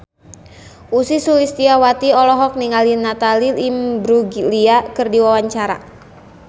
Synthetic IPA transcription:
ʔusisulist̪iawat̪iɔlɔɦɔk̚niŋalinat̪alilimbɾuɡliakɨrdiwawaɲt͡ʃaɾa̰

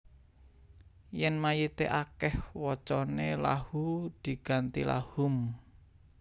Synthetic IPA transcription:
jɛnmajit̪eʔakɛhwɔt͡ʃɔnelahud̪̥i̤ɡ̥a̤nt̪ḭla̰hʊm

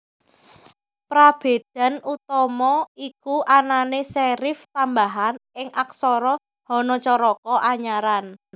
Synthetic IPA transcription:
pɾab̥e̤d̪̥a̤nut̪ɔmɔikuʔananesɛɾɪft̪ambaɦanɪŋʔaksɔɾɔ | hɔnɔt͡ʃɔɾɔkɔʔaɲaɾan

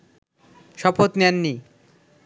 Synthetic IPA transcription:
ʃɔpot̪nɛnːi

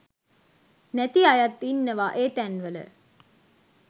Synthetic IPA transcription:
næt̪iajat̪ːinːəʋaːʔeːt̪ænʋələ̰

